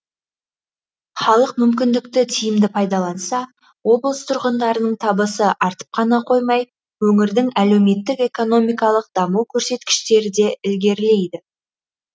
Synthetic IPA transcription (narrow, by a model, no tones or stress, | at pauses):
χɑlˠəq̚mʏmkʲɪnd̪ɪkt̪ɪt̪ʰijɪmd̪ɪpʰɑjd̪ɑlˠɑnsɑ | wo̞blˠəst̪ʰʊɾʁənd̪ɑɾənəɴt̪ʰɑbəsəʔɑɾt̪ə̥p̚qʰɑnɑqʰo̞jmɑj | wɵŋɪɾd̪ɪŋæle̞wme̞t̪ːɪke̞ko̞no̞mijkɑlˠəq̚d̪ɑmuwkʲʰɵɾse̞t̪kʲɪ̥ʃt̪e̞ɾɪd̪e̞ɪlɡʲe̞ɾle̞jd̪ɪ